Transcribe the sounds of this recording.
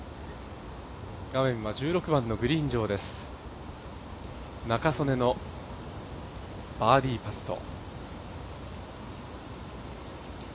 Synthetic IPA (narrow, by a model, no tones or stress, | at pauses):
ɡ̥amẽ̞ɰ̃βad͡ʑɨːɾo̞kɯ̟bãnːo̞ɡɯ̟ɾʲĩːɲd͡ʑo̞ːd̪e̞sɨ̥ | nakaso̞ne̞no̞ | b̥aːɾʲiːpat̪ːo̞̰